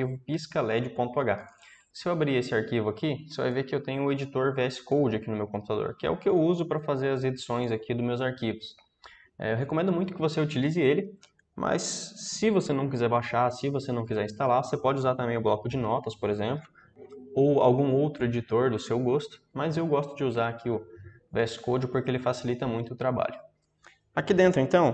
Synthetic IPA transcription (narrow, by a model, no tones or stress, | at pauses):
ivʊpiskɐlɛd͡ʒʊpõt̪ʊaɡa | sɪewabɾiesɪaɾkivʊakioseva̰jvekɪewt̪ẽɲ̃ʊed͡ʒit̪oɾveɛsɪ̥kowd͡ʒɪakinʊmewkõmp̚ut̪ad̪o̰ɾkɪɛ̰ʊkɪewuzʊpɾɐfazeɾɐzed͡ʒisõj̃zakʰid̪ʊmewzaɾkivʊs | ɛ̰ewɦekõmẽnd̪ʊmũj̃t̪ʊkɪvoseut͡ʃilizɪelɪ | mʔɐ̰sːɪvosenɐ̃w̃k̬izɛɾbaʃasɪvosenɐ̃w̃kizɛɾĩst̪alaɾvosepɔd͡ʒɪuzaɾt̪ɐ̃mbẽj̃ʊblɔkʊd͡ʒɪnɔt̪ɐspoɾezẽmplʊ | owa̰wɡũowt̪ɾʊed͡ʒit̪oɾd̪ʊsewɡost̪ʊ̥mɐzewɡɔst̪ʊd͡ʒɪuzaɾakʰiʊ | vɛskowd͡ʒɪpoɾkeelɪfasilit̪ɐmũj̃t̪ʊt̪ɾaba̰ʎʊ | akid̪ẽnt̪ɾʊẽnt̪ɐ̃w̃